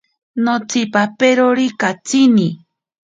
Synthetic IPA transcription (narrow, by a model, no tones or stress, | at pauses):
not͡sɪpapeɾoɾikat͡sini